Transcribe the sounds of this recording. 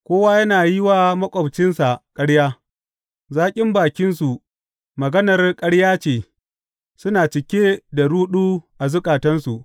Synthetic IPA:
kʷoː˦waː˦jɐ˦naː˨jɪ˦waː˦mɐ˦kʷʼɐ˨bt͡ʃɪ˦nsa˨kʼɐ˦ɽjaː˦ | zaː˦kʲʼɪ˦mbaː˨kʲɪ˦nsu˨ | mɐ˨ɡɐ˦nɐ˨rkʼɐ˦ɽjaː˦t͡ʃeː˨ | sʊ˦naː˨t͡ʃɪ˨kʲeː˦da˨ɽuː˦ɗuː˦ʔa˨zʊ˦kʼaː˨tɐ˦nsu˨ʔ

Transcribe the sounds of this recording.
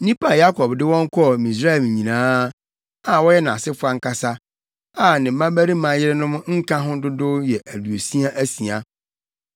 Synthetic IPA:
nĩ˦pʰa˦˨ja˦kʰɔ˨bdɪ˦wɔ̃˦ŋ˦kʰɔ˦˨mĩ˨s̬ɾa˦ɛ˨lɲĩ˨nãː˦ | a˨wɔ˦jɛ˦nã˨a˨sɪ˦fʊ˦a˦ŋ̩˦kʰa˦sa˦ | a˨nɪ̃˨m̩˦mã˦bæ˦ɾi˦mã˨jɪ˦ɾɪ˦nʊ̃˦m̃˦ŋ̩˦kʰã˦ɦʊ̃˦dʊ˦dʊ˦jɛ˨ʔæ˨du˨o˨si˦a˦ʔæ˦si˨a˨

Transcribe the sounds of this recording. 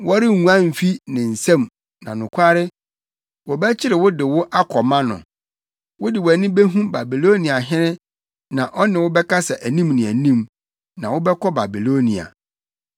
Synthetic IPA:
wɔ˦ɾɪ˦˨ŋũ˨ã˦m̩˨fi˦nɪ̃˨n̩˨sɛ̃˦˨m | nã˨nʊ̃˨kʰʷa˦ɾɪ˦ | wɔ˨bæ˦t͡ɕʰɪ˦ɾɪ˨wʊ˦dɪ˨wʊ˦ʔa˦kʰɔ˨mã˦nʊ̰̃˨ | wʊ˦dɪ˨wæ˨nɪ̃˦be˦ɦũ˦ba˨bi˨lo˦nĩ˨a˨ɦɪ̃˦nɪ̃˦ | nã˨ʔɔ˦nɪ̃˨wʊ˦bɛ˦kʰa˦sɛ˨ʔæ˨nĩ˦mnɪ̃˨æ˨nĩ˦m | nã˨wʊ˦bɛ˦kʰɔ˦ba˨bi˨lo˦nḭ̃˨a̰˨

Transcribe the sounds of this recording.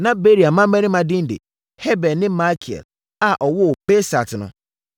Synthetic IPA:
nã˦be˦ɾi˨a˨mã˦mɛ̃˦nɪ̃˦mã˨dɪ̃˦n˦dɪ̰˨ | hɛ˦bɛ˨nɪ̃˦ma˦kʰi˨ɛ̰˨l | a˨ʔɔ˨wɔ˦˨b̥e˦sa̰˨tʰɪ˨nʊ̰̃˦

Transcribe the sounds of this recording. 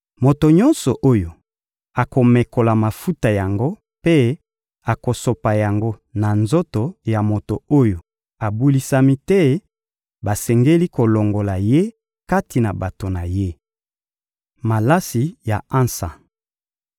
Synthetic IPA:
mo˨to˨ɲɔ̃˦nsɔ˨ʔo˦jo˨ | a˨ko˨me˨ko˨la˨ma˨fu˦ta˨ja˨ŋɡo˦ | pe˦ | a˨ko˨so˨pa˨ja˨ŋɡo˦na˨nzo˦to˨ja˨mo˨to˨o˦jo˨ | a˨bu˦li˨sa˦mi˦tɛ˦ | ba˨sɛ˨ŋɡe˦li˦ko˨lo˨ŋɡo˨la˨je˦ | ka˦ti˨na˨ba˨to˨na˨je˦ | ma˨la˦si˨ja˨ã˦nsa̰˨

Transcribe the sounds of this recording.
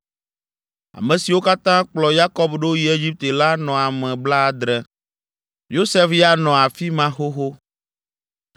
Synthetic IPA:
a̰˨mɛ̃˨si˨wo˦ka˦t̪ã˦k͡plɔ˨ja˦kɔ˦bɖo˦ji˦e˦d͡ʒi˦p̚t̪e˨la˦nɔ̃˨a˨mɛ̃˨bla˦˨d̪ɾɛ˨ | jo˦sɛ˦fja˦nɔ̃˨a˨fi˦mã˦xo˦xo˦

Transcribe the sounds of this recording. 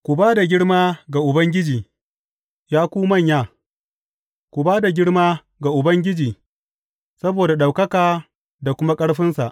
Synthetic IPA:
kʷʊ˨baː˦da˨ɡʲɪ˦ɽmaː˦ɡa˨ʔʊ˨bɐ˦ŋɡʲɪ˦d͡ʒiː˨ | jaː˦kʷuː˦mɐ˦˨ɲjaː˦˨ | kʷu˨baː˦da˨ɡʲɪ˦ɽmaː˦ | ɡa˨ʔʊ˨bɐ˦ŋɡʲɪ˦d͡ʒiː˨ | sɐ˦boː˨da˨ɗa˨wkɐ˦kaː˨ | da˨kʷʊ˦ma˦kʼɐ˦ɽɸɪ˦nsa̰˨ʔ

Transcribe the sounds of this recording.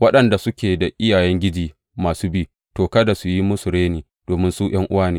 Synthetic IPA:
wɐ˦ɗɐ˨nda˨sʊ˦kʲeː˨da˨ʔɪ˦jaː˨jɛ˦ŋɡʲɪ˦d͡ʒiː˦ | maː˨suː˦biː˦ | toː˨kɐ˦da˨su˨ji˦mʊ˦sʊ˨ɽeː˦niː˨ | d̥oː˨mɪ˦nsu˦j̰ɐ˦ŋʔʊ˦waː˦neː˦

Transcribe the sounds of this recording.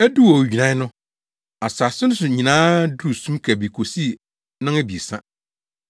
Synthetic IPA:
ɛ˦du˦wɔ˨d͡ʑᶣi˨nã˨˦nʊ̃˦ | a˨sa˨sɪ˦nʊ̃˦sʊ˨ɲĩ˨nãː˦dɾu˦˨sũ˦mkʰæ˨bi˨kʰo˨si˦˨ | nã˦æ˦bi˨sã˦

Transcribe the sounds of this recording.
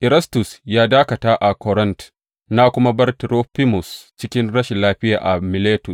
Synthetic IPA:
ʔɪ˨ɾɐ˦stʊ˨sjaː˦daː˦kɐ˨taː˦ʔa˨kɔ˨ɾɐ˦nt | naː˦kʷʊ˦ma˦bɐ˦rtɾoː˦ɸi˦mʊ˨st͡ʃɪ˦kʲɪ˦nɽɐ˦ʃɪ˨nlaː˦ɸɪ˦ja̰ː˨ʔa˨mɪ˨leː˦tʊ˨s

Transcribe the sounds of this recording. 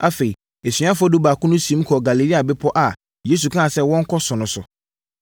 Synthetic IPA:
a˨fe˨i˨ | e˨sɥã˦fʊ˦ɔ˦dʊ˦ba˨kʰʊ̃˦nʊ̃˦sĩ˨˦m̩˦kʰɔ˨ɡa˨li˨li˦a˨bɪ˦pʰɔ˦ʔa˨ | je˦s̬u˨kʰã˦a˨sɛ˦wɔ̃˦ŋ̩˦kʰɔ˦sʊ̃˨nʊ̃˨sʊ̰˨

